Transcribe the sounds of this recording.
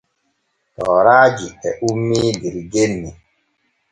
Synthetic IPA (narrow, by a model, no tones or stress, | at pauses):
tɔːɾaːɡiɛʔumːiːdiɾiɡenːi